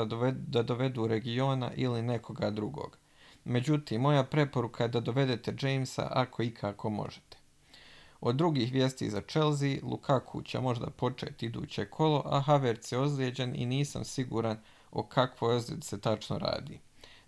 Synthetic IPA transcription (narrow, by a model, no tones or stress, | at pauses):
d̪ad̪o̞ʋe̞d̪uːɾe̞ɡio̞ːna̰ʔiline̞kʰo̞ɡad̪ɾuɡo̞̰ːɡ̥ | me̞d͡ʑut̪iːmːo̞japɾe̞po̞ɾukʰaje̞d̪ad̪o̞ʋe̞d̪e̞t̪e̞d͡ʒejmsa̰ʔakʰo̞ikʰaːko̞mo̞̰ʒe̥t̪e̥ | o̞d̪ːɾuɡiːxʋjeːst̪ḭːzat͡ʃelˠzilˠṵkʰakʰṵt͡ɕemo̞ʒd̪a̰po̞t͡ʃe̞̰ːt̪id̪ṵːt͡ɕe̞kʰo̞lo̞ʔaɦaʋeɾt̪sjeozljed͡ʑenḭniːsa̰msiɡuːɾan | o̰kʰakʋojozed̪se̞t̪at͡ʃno̰ɾa̰ːd̪ḭː